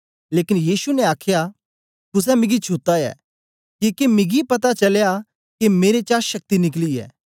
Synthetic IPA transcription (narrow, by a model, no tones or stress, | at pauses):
leːkɪnjiːsunɛ̃aːkʰja | t̪ʊs̬ɛmɪ̃ɡit͡ʃʰut̪ajɛ̰ː | kikemɪɡipɐt̪̬at͡ʃɐlja | kemeːɾet͡ʃaːʃɐk̚t̪inɪkliɛ̰ː